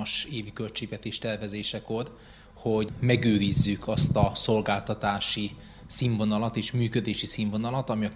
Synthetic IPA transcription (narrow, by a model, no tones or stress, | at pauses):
ʃeːvikø̞lt͡ʃeːɡvɛt̪eːʃt̪ɛrvɛzeːʃɛko̞r | ho̞ɟmɛɡøːɾizːykʰɒst̪ɒso̞lɡaːlt̪ɒt̪aːʃi | siːɱvo̞nɒlɒt̪eːʃmyːkød̪eːʃisiːɱvo̞nɒlɒt̪ɒmiɒ